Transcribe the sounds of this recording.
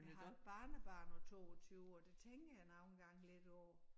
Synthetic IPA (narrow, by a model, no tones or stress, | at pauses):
hb̥ɑ̈ːnəb̥ɑ̰̈ːnɒt͡sʰo̝̰ːɒt͡sʰyːʊɒd̥e̝t͡sʰeŋɡ̥əjænɑ̈ʊenɡ̥ɑ̈ŋ̰led̥ɒː